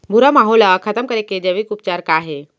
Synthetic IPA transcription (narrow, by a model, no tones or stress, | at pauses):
bʱuɾamaɦolakʰət̪əmkəɾeked͡ʑaʋikup̚t͡ɕaɾkaɦe